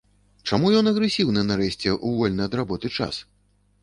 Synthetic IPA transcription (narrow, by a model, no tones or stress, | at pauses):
t͡ʂamujɔnɐɣɾɛsʲiwnɨnaɾɛɕʲt͡sʲɛʔuvɔlʲnɐjɐd̪ɾabɔt̪ɨt͡ʂa̰s